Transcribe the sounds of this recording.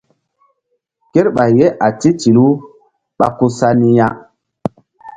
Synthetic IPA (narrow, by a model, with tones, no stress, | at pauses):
ke˦ɾɓa˨je˦ʔa˨ti˦t͡ʃi˨lu˦ | ɓa̰˦ku˦sa˦ni˦ja˦